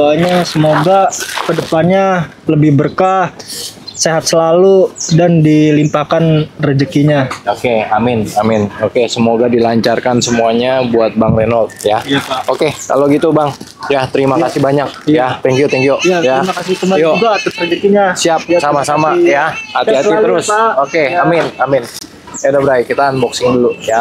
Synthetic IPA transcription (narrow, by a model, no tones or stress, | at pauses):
aɲasəmoɡakədəpanɲa | ləbɪhbərka | seɦat̪̚səlaludandilimpakanrəd͡ʒəkiɲaokeamɪnamɪnokesəmoɡadilaɲt͡ʃarkansəmuaɲabuat̪̚baŋrenɔlt̪̚jaaaokeka̰loɡit̪ubaŋ | jat̪əɾimakasɪhbaɲak̚jat̪ɛŋkiot̪ɛŋkiojajaɾimakasit̪ɾimajok̪oat̪ʊsrəd͡ʒəkiɲasiap̚samasamajahat̪iɦat̪iəɾʊsokeamɪnamɪn | edabəɾaikit̪anbɔksɪŋduluja